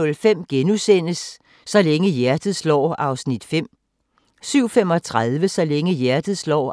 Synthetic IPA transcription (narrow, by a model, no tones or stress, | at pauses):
ɔ̽lfem̰ɡ̥enusen̰əsː | ɒ̽leŋəjæɐd̥ð̩ˠslɒ̰ːɑ̈ʊsnid̥fem̰ | syʊ̰fem̰ɒ̽t͡sʰʁaðˠʋəsɒ̽leŋəjæɐd̥ð̩ˠslɒ̰ː